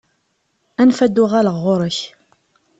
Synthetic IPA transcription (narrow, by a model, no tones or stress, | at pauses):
ænfæd̪ːʊʁæləʁːʊɾˤəç